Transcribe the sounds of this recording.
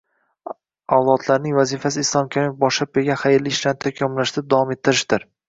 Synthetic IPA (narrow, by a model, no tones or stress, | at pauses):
awlˠɒt̪ʰlaɾnɪŋvazifasɪːslˠɒmkʲʰaɾimɪfbɒʃlap̚beɡʲaχajɾlɪʃlant̪ʰakʲʰɒmlaʃd̪ad̪avɒme̞t̪ʰːɪɾɪʃd̪ɪɾ